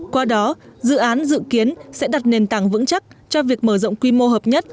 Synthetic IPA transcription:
kwaː˧ɗɔ˨˦zɨ̰˧˨ʔaː˨˦nzɨ̰˧˨ki˨˦ənsɛ̰˧˥ɗa˨˩t̚ne˨˩nt̪aː˧˩ŋvɨ̰˧˥ŋt͡ɕa˦˥k̚t͡ɕɔ˧vi˨˩ək̚məː˧˩zɔ̰˧˨wŋ͡mkwi˧mo˧ɦəː˨˩p̚ɲə˦˥t̚

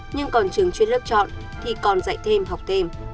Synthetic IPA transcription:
ɲɨ˧ŋkɔ˨˩nt͡ɕɨ˨˩əŋt͡ɕwi˧nlɨ˦˥t͡ɕɔ̰˧˨n | t̪ʰi˨˩kɔ˨˩nza̰˧˨jt̪ʰe˧mɦa˨˩wk͡p̚t̪ʰe˧m

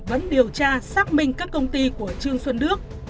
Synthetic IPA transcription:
və̰˧˥nɗi˨˩əwt͡ɕaː˧saː˦˥k̚mï˧ŋ̟kaː˦˥kːə˧wŋ͡mt̪i˧ku˧˩ət͡ɕɨ˧əŋswə˧nɗɨ˦˥ək̚

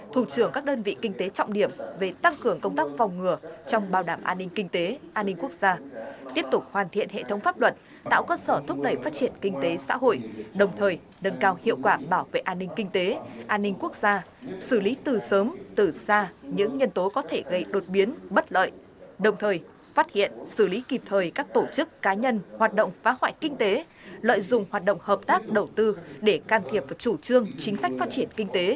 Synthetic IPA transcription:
t̪ʰu˧˩t͡ɕɨ˧˩əŋkaː˦˥k̚ɗəː˧nvḭ˧˨kï˧ŋ̟t̪e˨˦t͡ɕɔ̰˧˨wŋ͡mɗi˧˩əmve˨˩t̪a˧ŋkɨ˨˩əŋkə˧wŋ͡mt̪aː˦˥k̚va˨˩wŋ͡mŋɨ˨˩ət͡ɕɔ˧wŋ͡mɓaː˧˩wɗaː˧˩mʔa̰ː˧nːï˧ŋ̟kï˧ŋ̟t̪e˨˦ʔaː˧nːï˧ŋ̟ku˦˥ək̚z̥aː˧t̪i˦˥əp̚t̪ʊ˨˩k͡p̚hwaː˨˩nt̪ʰḭ˧˨ənɦḛ˧˨t̪ʰə˨˦wŋ͡mfaː˦˥p̚lwə˨˩t̚ | t̪a̰ː˧˨wkəː˧səː˧˩t̪ʰʊ˦˥k͡p̚ɗə˧˩jfaː˦˥t̚t͡ɕi˧˩ənkï˧ŋ̟t̪e˨˦sa̰ː˧˥ɦo̰˧˨jɗə˨˩wŋ͡mt̪ʰəː˨˩j | nə˨˧˩nkaː˧whḭ˧˨əwkwaː˧˩ɓaː˧˩wvḛ˧˨ʔaː˧nːï˧ŋ̟kï˧ŋ̟t̪e˨˦ʔaː˧nːï˧ŋ̟ku˦˥ək̚z̥aː˧sɨ˧˩li˨˦t̪ɨ˨˩səː˨˦mt̪ɨ˨˩saː˧ɲɨ̰˧˥ŋɲə˧nt̪o˨˦kɔ˨˦t̪ʰe˧˩ɣə˧jɗo˨˩t̚ɓi˨˦ənɓə˦˥t̚lə̰ː˧˨j | ɗə˨˩wŋ͡mt̪ʰəː˨˩j | faː˦˥t̚hḭ˧˨ənsɨ˧˩li˨˦ki˨˩p̚t̪ʰəː˨˩jkaː˦˥k̚t̪o˧˩t͡ɕɨ˦˥kːaː˨˦ɲə˧nhwaː˨˩t̚ɗə̰˧˨wŋ͡mfaː˨˦hwa̰ː˧˨jkï˧ŋ̟t̪e˨˦ | lə̰ː˧˨jzʊ̰˧˨ŋ͡mhwaː˨˩t̚ɗə̰˧˨wŋ͡mhəː˨˩p̚t̪aː˦˥k̚ɗə˨˩wt̪ɨ˧ɗe˧˩kaː˧˩nt̪ʰi˨˩əp̚vt͡ɕu˧˩t͡ɕɨ˧əŋt͡ɕï˨˦ŋ̟sa˦˥k̟faː˦˥t̚t͡ɕi˧˩ənkï˧ŋ̟t̪e˨˦

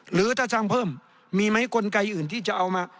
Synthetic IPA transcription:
ɾɯː˩˦t̪ʰaː˧˩sʰaː˧ŋpʰɤː˥˩mː | iː˧ma˦˥jkʰo˧nka˧jʔɯː˨˩nt̪ʰiː˥˩t͡ɕa˨˩ʔa˧wmaː˧

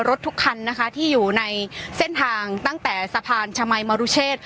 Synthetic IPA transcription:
ɾo˦˥t̪ʰːu˦˥kʰːa˧nːa˦˥kʰa˦˥t̪ʰiː˥˩juː˨˩na˧jse˥˩nt̪ʰaː˧ŋt̪a˥˩ŋt̪ɛː˨˩sa˧pʰaː˧nt͡ɕʰa˧ma˧jmaː˧ɾu˦˥t͡ɕʰeː˥˩t̪̚

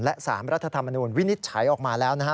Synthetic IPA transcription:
nlɛ˦˥ʔsa̰ː˩˦mɾa˦˥t̪ʰːa˧t̪ʰa˧mːa˧nuː˧nwi˦˥ni˦˥t̪̚t͡ɕʰa˩˦jʔɔː˨˩k̚maː˧lɛː˦˥wna˦˥kʰ

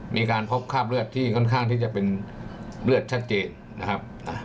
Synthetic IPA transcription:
miː˧kaː˧npʰo˦˥p̚kʰaː˥˩p̬̚ɾɯ˥˩ət̪ʰːiː˥˩kʰɔ˥˩nkʰaː˥˩ŋt̪ʰiː˥˩t͡ɕa˨˩pe˧n | ɾɯ˥˩ət̪̚t͡ɕʰa˦˥t̪̚t͡ɕeː˧nːa˦˥kʰa˦˥p̚na˧˩

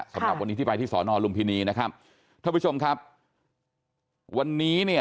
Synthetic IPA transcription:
sa˩˦a̰˨˩pwa˧nːi˦˥t̪ʰi˥˩pa˧jt̪ʰiː˥˩sɔː˩˦nɔː˧lu˧mpʰiː˧niː˧˩na˦˥kʰa˦˥p̚ | t̪ʰaː˥˩pu˦˥t͡ɕʰo˧mkʰa˦˥p̚ | wa˧nːiː˦˥ni˥˩ɐ

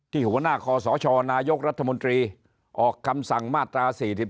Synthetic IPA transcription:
t̪ʰiː˥˩hu˨˩˦ɐnaː˥˩kʰɔː˧sɔː˩˦t͡ɕʰɔː˧naː˧jo˦˥k̚ɾa˦˥t̪ʰːa˧mo˧nt̪ɾiː˧ | ʔɔː˨˩kʰːa˧msa˨˩ŋmaː˥˩t̪ɾaː˧siː˨˩si˨˩p̚

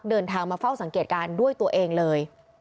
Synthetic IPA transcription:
k̚dɤː˧nt̪ʰaː˧ŋmaː˧fa˥˩wsa˨˩˦ŋkeː˨˩t̪̚kaː˧ndu˥˩əjt̪u˧ɐəʔeː˧ŋlɤː˧j

